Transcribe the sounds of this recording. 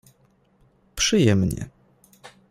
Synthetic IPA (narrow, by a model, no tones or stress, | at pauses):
pʂɘjɛmɲɛ̰